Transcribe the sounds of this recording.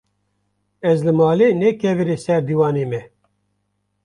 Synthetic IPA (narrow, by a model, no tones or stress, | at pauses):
ɛzlɨmɑːleːnɛkʰɛvɨɾeːsɛɾd̪iːwɑːneːmɛ